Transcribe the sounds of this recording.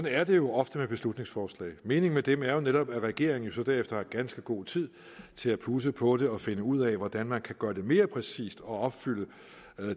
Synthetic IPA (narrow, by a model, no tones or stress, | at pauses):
ɒnæɐd̥e̝jo̝ʔɒ̽fd̥əmeb̥e̝slud̥ne̝ŋsfɒːslɛ̰ːɪme̝ːne̝ŋ̩med̥emæɐjo̝neɾɒ̽b̥æʁɛɡ̥e̝ɐeŋn̩jo̝sɒ̽d̥æɐefd̥ɐhɑɡ̥ænsɡ̥əɡ̥o̝̰ːt͡sʰið̞̰ˠ | t͡sʰe̝læpʰuːs̬əpʰɒ̽ɾ̥e̝ɒ̽fe̝nəuð̰ˠɛʋɒd̥ænmænkʰæɡ̥ɶːɐd̥e̝me̝ːɐpʰʁɛsḭːsd̥ɒ̽ɒ̽b̥fyl̰ə